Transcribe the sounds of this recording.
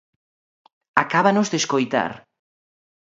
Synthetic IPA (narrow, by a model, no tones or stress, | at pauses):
akaβanozðeskojt̪a̰ɾ